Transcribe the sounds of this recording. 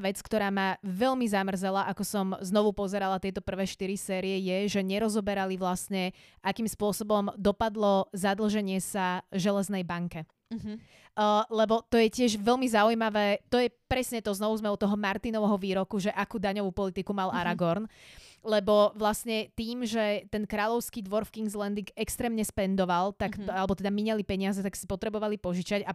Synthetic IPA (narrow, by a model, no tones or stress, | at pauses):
ʋɛt͡skt̪ɔɾaːmaʋɛlmizamr̩zɛlaʔakɔsɔmznɔʋupɔzɛɾalat̪jɛjt̪ɔpr̩ʋɛːʃt̪iɾisɛːɾijɛjɛʒɛɲɛɾɔzɔbɛɾaliʋlasɲɛ | ʔakiːmspʊɔsɔbɔmd̪ɔpad̪lɔzad̪l̩ˠʒɛɲɪɛsaʒɛlɛznɛjbaŋkɛ | lɛbɔt̪ɔjɛcɪɛʒʋɛlmizaujmaʋɛːt̪ɔjɛpɾɛsɲɛt̪ɔznɔʋuzmɛɔt̪ɔɦɔmaɾt̪inɔʋɛɦɔʋiːɾɔkuʒɛʔakuːd̪aɲɔʋuːpɔlit̪ikumalʔaɾaɡɔɾnlɛbɔʋlasɲɛt̪iːmʒɛt̪ɛnkɾaːʎɔʊskiːd̪ʋɔɾfkiŋɡzlɛnd̪iɡɛkst̪ɾɛːmɲɛspɛnd̪ɔʋalˠt̪akalɛbɔt̪ɛd̪amiɲɛlipɛɲɪazɛt̪aksi̥pɔt̪ɾɛbɔʋalipɔʒit͡ʃaca